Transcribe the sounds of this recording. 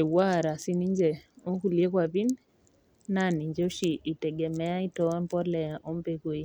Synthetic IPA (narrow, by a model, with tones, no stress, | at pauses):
ɛ˨wa˦˨ɾa˨si˦ni˦ɲd͡ʒɛ˨o˦ku˨liɛ˦kwa˨βi˦n | nani˨ɲd͡ʒɔ˦ʃi˨ʔi˨tɛɡɛmɛ˦a˦i˦tɔɛ˦mpɔ˦lɛ˨a˨ʔɔ˦mbɛ˦kwi˦